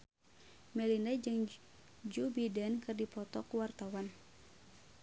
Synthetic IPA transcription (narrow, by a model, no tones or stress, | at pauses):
mɛlinad͡ʒɨŋ | d͡ʒubidɛnkɨrdipɔt̪ɔkuwart̪awan